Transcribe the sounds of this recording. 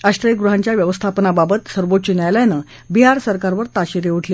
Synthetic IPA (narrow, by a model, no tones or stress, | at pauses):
aɕʈ̪ɾəjəɡɾuɦaɲt͡ɕjaʋjəʋəst̪ʰapənababət̪səɾʋot̪t͡ɕinjajlajnə | biɦaɾsəɾkaɾʋəɾt̪aɕiɾeuʈʰle